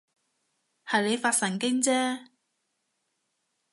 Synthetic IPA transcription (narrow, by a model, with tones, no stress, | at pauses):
hɐ˨jle˨˧jfaː˧t̚sɐ˨˩ŋkɪ˥ŋt͡sɛː˥